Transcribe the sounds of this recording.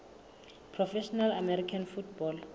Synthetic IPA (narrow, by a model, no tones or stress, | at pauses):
pʰrɔfɛʃɔnalamɛɾikʰanfutbɔl